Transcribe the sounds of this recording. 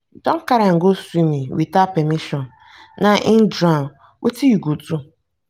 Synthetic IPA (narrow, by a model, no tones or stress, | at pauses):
dɔ̃ŋ̩kaɾaŋ̩ɡosunĩwitapɛmĩʃɔ̃n | nãʔɪ̃ndã | wʔṵtʰijiɡod͡zu